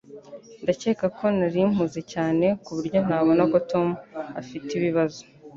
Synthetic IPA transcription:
ndace̞ːkakʰo̞naɾim̥uze̞caːne̞kuβuɾjo̞n̥aːβo̞nako̞to̞muafitiβiβazo̥

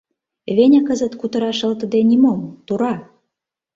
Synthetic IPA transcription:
βenʲɑkəzə̆t̪kut̪ə̆ɾɑʃə̆lt̪ə̆d̪enʲimomt̪uɾɑ

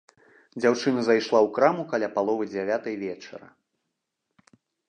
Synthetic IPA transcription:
d͡zʲawt͡ʂɨnɐzajʂlˠawkɾamukalʲapalˠɔvɨd͡zʲavʲat̪ɐjvʲɛt͡ʂɐ̰ɾɐ̰

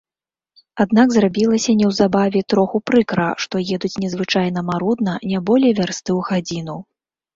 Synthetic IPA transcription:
ad̪naɡzrabʲilˠɐsʲɐnʲɛwzabavʲɛt̪ɾɔxupɾɨkɾɐ̰ʂt̪ɔjɛd̪ut͡sʲnʲɛzvɨt͡ʂajnɐmaɾud̪nɐnʲabɔlʲɛjvʲarst̪ɨwɣad͡zʲinu

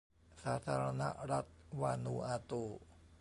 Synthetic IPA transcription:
sat̪aɾana̰ʔɾat̪̚wanuat̪o

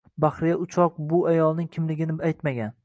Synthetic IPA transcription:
bahɾɪjaʊt͡ʃʰɒq̚bʊajɒlˠnɪŋkʲʰɪmlɪɡʲɪnɪajt̪maɡʲan

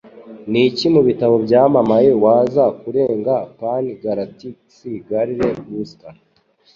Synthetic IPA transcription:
nicimuβitaβo̞bɟaːmamaje̞waːzakuɾe̞ːŋɡapaniɡaɾatisiɡaɾiɾe̞wusta

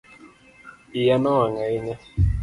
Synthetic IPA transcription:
ijanɔwaŋainɛ

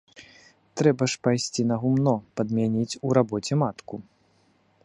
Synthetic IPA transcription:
t̪ɾɛbɐʂpajsʲt͡sʲinɐɣumnɔpɐd̪mʲanʲit͡sʲuɾabɔt͡sʲɛmat̪ku

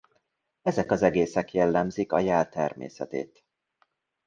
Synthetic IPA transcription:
ɛzɛkɒzɛɡeːsɛkjɛlːɛmzikɒjɛlt̪ɛrmḛːsɛ̰t̪ḛːt̪

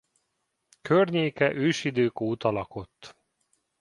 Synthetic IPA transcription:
kørɲeːkɛʔøːʃid̪øːkoːt̪ɒlɒko̞t̪ː

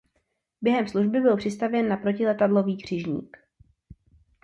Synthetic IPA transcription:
bjɛɦɛmsluʒbɪbɪlpr̥ɪst̪avjɛnːapɾo̞cɪlɛt̪adlo̞viːɡr̝̥ɪʒɲḭːk

